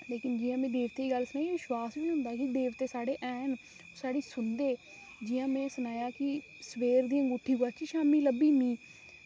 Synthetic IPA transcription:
leːkɪnd͡ʒɪjãːmɛ̃ːd̪eːʋt̪eːiɡəlsənaːiʋɪʃwaːsʋiːɦʊ̃nd̪aːɛkɪd̪eːʋt̪eːsaːɽeːʔɛːn | osaːɽiːsʊnd̪eː | d͡ʒɪjãːmɛ̃ːsʊnaːjaːkɪ | səʋeːɾd̪ijãːɡuːʈʰːiːkoaːkiʃaːmiːləbiːmĩː

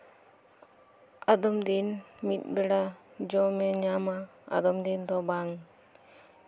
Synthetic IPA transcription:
ad̪ɔmd̪inmit̪̚ˀbɛɽad͡ʒɔmɛɲama | a̰d̪ɔmd̪ind̪ɔbaŋ

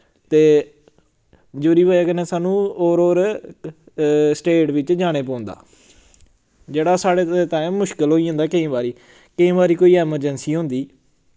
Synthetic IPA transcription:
t̪eː | d͡ʒoːɾiːbaːjaːkənẽːsaːnũːoːɾoːɾ | sʈeːʈʋɪt͡ʃd͡ʒaːɽ̃eːpɔ̃ːnd̪a̰ː | d͡ʒeːɽaːsaːɽeːt̪ãːmʊʃkəlɦoːiːãːnd̪aːkəĩːbaːɾiː | kəĩːbaːɾiːkoːiːɛːməɾd͡ʒənsiːɦõːnd̪iː

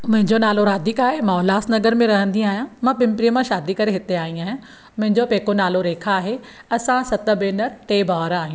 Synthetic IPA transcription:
mʊ̃ɦɪ̃ɲd͡ʑonaːloɾaːd̪ʱikaːɦemãlaːsnɐɡəɾmẽɾɐɦə̃nd̪ĩaːɦijãmãːpɪ̃mpɾiəmãʃaːd̪ikɐɾeɦɪt̪eaːɦĩaːɦijã | mʊ̃ɦɪ̃ɲd͡ʑopeːkonaːloɾeːkʰaaːɦe | ɐsãsɐt̪ə̆beːnəɾʈ̪eːbʱaːɾaːɦĩjũ

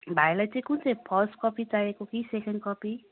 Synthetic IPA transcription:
bʱajlajt͡sãĩkunt͡sãĩpʰʌsʈ̚kɔpit͡sajekokisekʰeɳɖ̚kɔpi

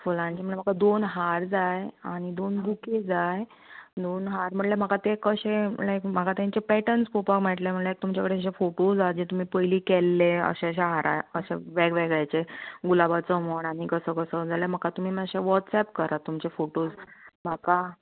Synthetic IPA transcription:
foland͡ʑeməɳm̤akad̪onɦaɾd͡zajaɽ̃id̪onbuked͡zaj | d̪onɦaɾm̤əʈljam̤akat̪ekəɕelajkm̤akat̪ãɲt͡ɕepɛʈənspopakmaʈlem̤əɳljajk̚t̪umt͡ɕakəɽeəɕefoʈod͡zad͡ʑet̪um̤iːpəjliːkelːeə̰ɕeəɕeɦaɾʔa̰jəɕeʋeɡʋeɡajt͡seɡulabat͡səmoɽaɽ̃ikəsəːkəsəd͡zaləm̤akat̪um̤iːməɕeʋɔʈsɛp̚kəɾat̪umt͡ɕefoʈod͡zm̤aka

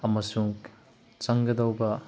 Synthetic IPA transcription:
ɐmɐsuŋ | t͡ʃɐŋɡɐdɐwbɐ

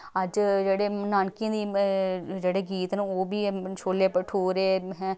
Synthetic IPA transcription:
əd͡ʒd͡ʒeːɽeːnaːnkijãːd̪iː | d͡ʒeːɽeːɡiːt̪nːoːbiːʃoːleːpəʈʰoːɾeːɦɛ̃ː

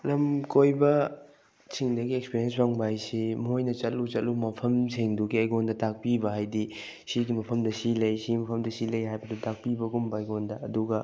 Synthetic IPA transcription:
lɐmkojbɐ | t͡ʃiŋdɐɡiekspiɾiens̬baŋbajsimojnɐt͡ʃɐtlut͡ʃɐtlumɐpʰɐmseŋduɡiɐjɡondɐtak̚pibɐɦajdi | siɡimɐpʰɐmdɐsilɐjsimɐpʰɐmdɐsilɐjɦajbɐdutak̚pibɐɡumbɐɐjɡondɐɐduɡɐ

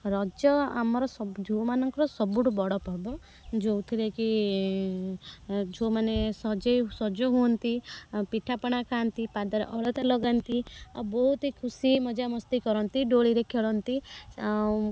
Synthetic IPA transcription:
ɾɔd͡ʒjɔa̰mɔɾɔsɔd͡ʒʱomanɔŋkɔɾɔsɔbuʈubɔɽɔpɔɾbɔ | d͡ʒowt̪ʰileki | d͡ʒʱomanesɔd͡ʒejsɔd͡ʒɔɦuɔnt̪ipiʈʰapɔɽ̃akʰant̪ipad̪ɔɾḛʔɔɭɔt̪alɔɡant̪iabɔɦut̪ikʰusimɔd͡ʒamɔst̪ikɔɾɔnt̪iɖoɭiɾekʰeɭɔnt̪i

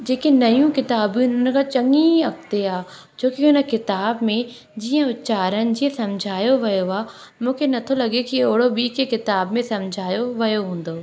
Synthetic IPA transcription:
d͡ʑeːkenɐjũkɪt̪aːbiʊnən̆kʰãt͡ɕɐŋiɐkt̪eaː | d͡ʑoːkiʊnə̆kɪt̪aːbmẽ | d͡ʑiːə̃ʊt̪t͡ɕaːɾənɪ̆d͡ʑiːẽsɐmd͡ʑʱaːjoʋɐjoaː | mũːkʰenɐt̪ʰolɐɠekioɦɽobiːkekɪt̪aːbmẽsɐmd͡ʑʱaːjoʋɐjoɦũːn̆d̪oː

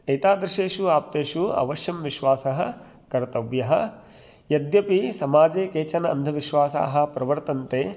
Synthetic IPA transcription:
ɐjt̪aːd̪ɾɪʃeːʃuaːp̚t̪eːʃuɐ̰ʋɐʃjɐmʋiʃʋaːsɐɦɐ̆ | kɐɾt̪ɐʋjɐɦɐ̆ | jɐd̪jɐpisɐmaːd͡ʒeːkeːt͡ʃɐnɐɐ̰nd̪ʱɐʋiʃʋaːsa̰ːɦɐ̆pɾɐʋɐɾt̪ɐnt̪eː

